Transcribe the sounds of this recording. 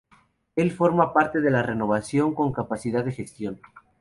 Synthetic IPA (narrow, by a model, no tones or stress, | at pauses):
e̞lfo̞ɾmapaɾt̪e̞ðe̞lare̞no̞β̞asjo̞ŋko̞ŋkapasið̞aððexe̞st̪jo̞n